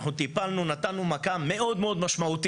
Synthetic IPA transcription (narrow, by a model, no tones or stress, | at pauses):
χnut̪ipalnunat̪anːumakammːe̞ʔo̞d̪meo̞d̪maʃmaut̪